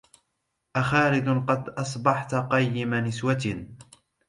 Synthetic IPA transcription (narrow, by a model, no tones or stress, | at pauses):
ʔaxaːlɪd̪qɑd̪ʔɑsˤbɑħt̪qɑjːɪmanɪswat̪